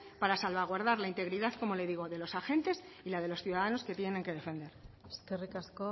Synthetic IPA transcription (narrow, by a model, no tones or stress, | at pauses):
paɾasalβaɣ̞waɾðaɾlaint̪e̞ɣɾiðaðko̞mo̞le̞ðiɣ̞o̞ðe̞lo̞saxe̞nt̪e̞silað̞e̞lo̞sθjuðaðano̞ske̞t̪je̞ne̞ŋke̞ðe̞fe̞nd̪e̞ɾst̪erikasko